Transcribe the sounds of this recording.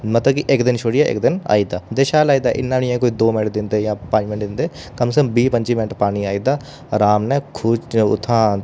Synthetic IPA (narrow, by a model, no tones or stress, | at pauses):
mət̪ləbkɪʔɪkd̪ɪnʃʰoːɽjaːʔɪ̰k̚d̪ɪna̰ːiːd̪aːd̪eːʃaːlaːiːd̪aːʔɪ̰nːãːnɪẽːkoːiːd̪oːmɪnəʈd̪ɪnd̪eːjãːpə̃ɲd͡ʒmɪnəʈ̚dɪnd̪eː | kəmsəkəmbiːpəɲt͡ʃiːmɪnəʈpaːñiːaːiːd̪aː | ɾaːmnɛːkʰuːd͡ʒʊ̰t̪ʰːãː